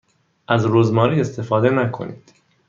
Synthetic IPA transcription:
ʔæzɾuːzmɒːɾiːe̞st̪ʰe̞fɒːd̪enækʰo̞̰nḭːd̪̥

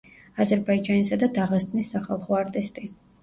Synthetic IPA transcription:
azɛɾbaid͡ʒanisad̪ad̪aʁast̪ʼnisːaχalˠχɔaɾt̪ʼist̪ʼi

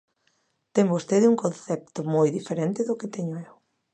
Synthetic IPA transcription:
t̪eŋbost̪eðɪuŋkõnθɛp̚t̪ʊmojðifeɾent̪ɪðʊkɪt̪eɲʊew

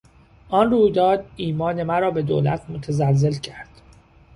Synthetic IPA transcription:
ʔɒnruːjd̪ɒːd̪̚iːmɒːne̞mæɾɒːbe̞d̪o̰ːlæ̰t̪ʰmot̪ʰæzælze̞lcʰæɾd̪̥

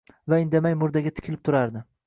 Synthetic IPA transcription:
vaɪnd̪amajmʊɾd̪aɡʲat̪ʰɪ̥kʲʰɪlɪp̚t̪ʰʊɾaɾd̪ɪ

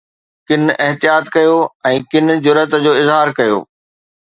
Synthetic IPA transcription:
kɪnɪɦt̪ijaːt̪kɐjoɛ̃ːkɪn̆d͡ʑʊɾət̪d͡ʑoːɪzɦaːɾkɐjo̰ː

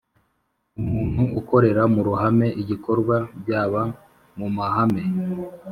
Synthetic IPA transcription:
umuːn̥huuko̞ɾe̞ɾamuɾuɦame̞ʔiɟiko̞ɾɡwabɟaːβa | mumahame̞

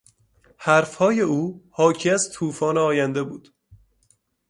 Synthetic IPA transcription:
hæɾfhɒːje̞uːhɒːcʰiæzt̪ʰuːfɒːneɒːjænd̪e̞buːd̪̥

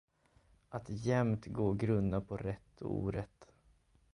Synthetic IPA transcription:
ʔat̪jɛmt̪ɡoːɡɾɵnd̪apʰɔɾɛt̪ʰːṵːɾət̪

